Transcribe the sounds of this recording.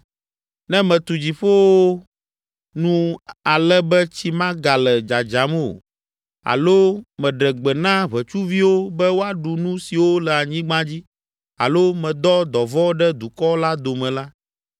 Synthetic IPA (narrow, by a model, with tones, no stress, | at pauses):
nɛ̃˦mɛ̃˨t̪u˨d͡ʑi˨ɸo˦wo˦ | nũ˦a˨lɛ˦bɛ˦t͡ɕi˦mã˦ɡa˨lɛ˨d͡ʒa˨d͡ʒa˨m˦o̰˨ | a̰˨lo˦mɛ̃˨ɖɛ˨ɡ͡bɛ˨nã˦βɛ˨t͡ʃu˦vi˦wo˦bɛ˦wo˦a˦ɖu˨nũ˦si˨wo˦lɛ˨a˨ɲĩ˦ɡ͡bã˦d͡ʑi˦ | a̰˨lo˦mɛ̃˨d̪ɔ˦d̪ɔ˨vɔ˦ɖɛ˦d̪u˨kɔ˦la˦d̪o˨mɛ̃˨la˦